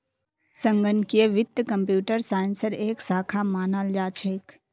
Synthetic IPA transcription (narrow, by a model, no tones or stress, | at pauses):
səŋɡənkijeʋɪt̪ːkəmpjuːʈəɾsaːɪnsəɾeːksaːkʰamaːnaːld͡ʒaːt͡ʃʰeːk